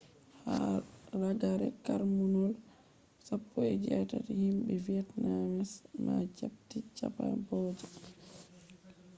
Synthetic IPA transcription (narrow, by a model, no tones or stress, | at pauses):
haɾaɡaɾɛ̰kaɾmunɔl | sapːɔɛd͡ʒɛtatihimɓɛviɛtnamɛsmad͡ʒap̚tit͡ʃapa̰nbɔːd͡ʒɔ